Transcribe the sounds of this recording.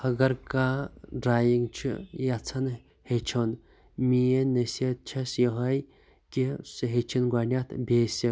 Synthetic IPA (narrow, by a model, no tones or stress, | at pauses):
hɐɡɐɾkaɖɾaːjiŋɡt͡ʃʰḭjat͡sʰɐn | het͡ʃʰon | mijenɐset̪̚t͡ʃʰɐsjiɦɐj | kʲisɨɦet͡ʃʰinɡʷaːnʲat̪ʰbʲeːsi